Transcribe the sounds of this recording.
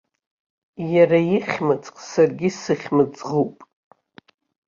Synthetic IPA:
jarajiχʲmɨt͡sʼqʼsarɡʲɪsɨχʲmɨt͡sʼʁowpʼ

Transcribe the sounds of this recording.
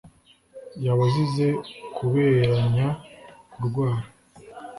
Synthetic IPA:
jaβazize̞kʰuβe̞ːɾaɲakuɾɡwaːɾa

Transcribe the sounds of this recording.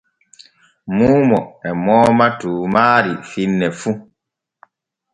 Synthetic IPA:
muːmɔɛmɔːmatuːmaːɾifinːɛfu

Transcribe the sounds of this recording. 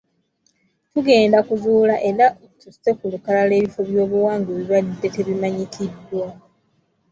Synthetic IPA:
tuɡe̞ːndakuzuːlaʔe̞ɾa | tuse̞kulukalale̞ːβifo̞βjo̞ːβuwaːŋɡeβiβadːe̞te̞βimaɲikʰidːwa

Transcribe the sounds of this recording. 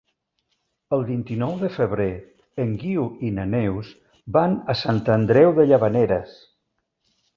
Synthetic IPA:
əlˠβint̪inɔwðəfəβɾe | əŋɡiuinənɛwz | banəsant̪ənd̪ɾɛwðəʎəβəneɾəs

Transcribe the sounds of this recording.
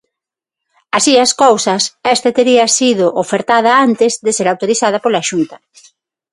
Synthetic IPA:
ɐsiɐskowsɐsɛst̪ɐt̪eɾiɐsiðʊʔofeɾt̪að̞ɐant̪ɪzðeseɾawt̪oɾiθað̞ɐpolaʃunt̪ɐ

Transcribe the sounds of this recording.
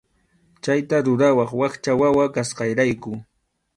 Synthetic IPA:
t͡ʃajt̪aɾʊɾawɑχwaχt͡ʃawawakasqɑjɾajkʊ

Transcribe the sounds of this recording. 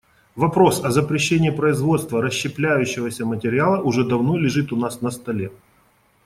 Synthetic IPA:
vɐpɾo̞sɐzəpɾʲɪɕːenʲɪːpɾəɪzvo̞t̪st̪vəɾəɕːɪplʲæjʉɕːɪvəsʲəmətʲɪɾʲɪalˠəʔʊʐɛd̪ɐvno̞lʲɪʐɨt̪ʊnasnəst̪ɐlʲe̞

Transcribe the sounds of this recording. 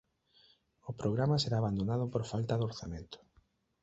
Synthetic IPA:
ʊpɾoɣɾamaseɾaːβand̪onaðʊpoɾfalt̪aðoɾθamẽnt̪ʊ̥

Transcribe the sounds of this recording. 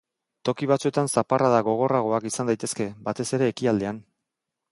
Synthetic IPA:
t̪o̞kiβat͡sue̞t̪ansaparað̞aɣo̞ɣ̞o̞raɣ̞o̞akisand̪ajt̪e̞ske̞bat̪e̞se̞ɾe̞ːkiald̪e̞an

